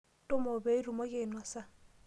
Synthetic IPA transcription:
tʼʊ˦mo˨be˦i˦ru˨mo˦kʼɪ˦˨nwa˨sa˦

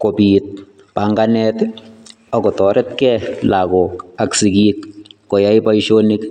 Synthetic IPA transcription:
ko˨bit̪̚ | paŋɡanɛt̪ | ɔ˨kɔ˨t̪ɔɾʔɛt̪kɛlaɡɔ˨ka˨ksi˨ɡikːɔ˨ja˦jpa˦iʃo˦ni˦k

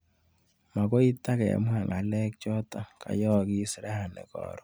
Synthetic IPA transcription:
ma˨ko˦i˦ta˦kɛ̰˨mwa˨ŋa˨lɛ˦k̚t͡ʃɔ˦ta˨ka̰˨jɔ˦˨ki˦si˨ɾa˦ha˨nɛ̰˨kɔ̰˨ɾɔ˦

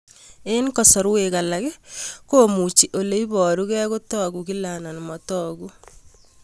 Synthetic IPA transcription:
e˦nkɔ˨sɔ˨ɾwe˨ka˨la˨kɛ˦ko˦mu˨t͡ʃi˨ʔo˨le˦i˦bɔ˨ɾu˦kɛ˦ko˦tɔ˦ɡu˨ki˦la˨nɔ˨nmɔ˨tɔ˦ɡu˦

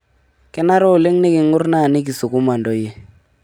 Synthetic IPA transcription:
kɛ˦na˦ɾɔ˦˨le˦ŋne˦ki˨ŋʊ˦ɾrna˦˨ni˦k̬i˨su˨ku˦ma˨ndɔ˦je˦

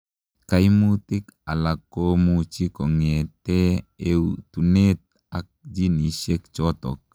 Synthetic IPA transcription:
ka˦jmu˦t̪ɪ˦ka˨la˨kːo˦mut͡ʃi˦kɔ˨ŋe˨t̪e˦e˦wt̪u˨ne˦t̪̚ | ak̚d͡ʒi˦ni˨ʃe˦k̚t͡ʃɔ˦t̪ɔ̰˨k̚

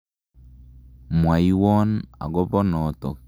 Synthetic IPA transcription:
mwa˨i˦wɔ˦na̰˨ɡɔ˦bɔ˦nɔ˨tɔ˨k

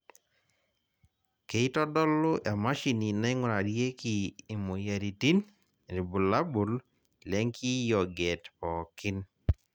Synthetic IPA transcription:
ke˨i˦tɔ˦dɔ˦lʊ˦ʔɛ˨ma˦ʃi˨ni˨na˦ɪ˦ŋʊ˦ɾa˨ɾje˦kiː˨mo˨ja˨ɾi˨ti˦n | ɾi˨bu˨la˦bu˨l | lɛ˦ŋki˦jɔ˨ɡɛ˨tpɔ˨kɪ˦n

